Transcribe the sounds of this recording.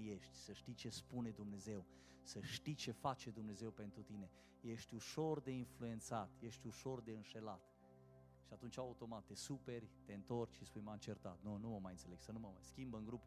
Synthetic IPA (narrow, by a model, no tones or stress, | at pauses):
je̞ʃt̪ʲsəʃt̪it͡ʃespune̞d̪umne̞ze̞w | səʃt̪it͡ʃe̞fat͡ʃe̞d̪umne̞ze̞wpe̞nt̪ɾut̪ine̞ | je̞ʃt̪ʲuʃo̞rd̪e̞influe̞nt̪sat̪je̞ʃt̪ʲuʃo̞rd̪e̞ɨnʃe̞lat̪ | ʃiat̪unt͡ʃaaut̪o̞mat̪ːe̞supe̞rʲt̪e̞ɨnt̪o̞rt͡ʃʲʃispujmant͡ʃe̞rt̪at̪̚nunuməmajɨnt̪seleɡ̥sənuməmajskʲimbɨŋɡɾup